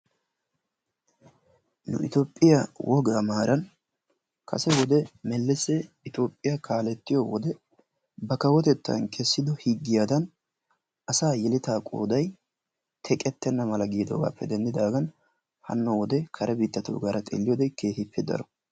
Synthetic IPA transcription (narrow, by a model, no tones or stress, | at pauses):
nʊ̰ʔɪ̰t̪oːpʼːɪjawʔɔɡamaːɾɐn | kʰɐ̰sɛwɔd̪ɛmɛlːɛsɛ | ɪt̪oːpʼːɪjɐkʰaːlɛt̪ːɪjɔwɔd̪ɛ | bɐkɐwɔt̪ɛt̪ːɐ̰nkʰɛsːɪd̪ɔhɪɡːɪjaːd̪ɐn | ɐsaːjɛlɪt̪aːkʼo̰ːd̪ɐj | t̪ʰɛkʼɛt̪ːɛnːɐmɐlɐɡiːd̪oːɡa̰ːpːɛd̪ɛnd̪ɪd̪aːɡɐn | hɐ̰nːɔwɔd̪ɛkʰɐɾʔɛbiːt̪ːɐt̪o̰ːɡaːɾɐt̪ʼɛ̰lːɪjoːd̪ɛjke̞ːhɪpʰːɪd̪ɐ̰ɾɔ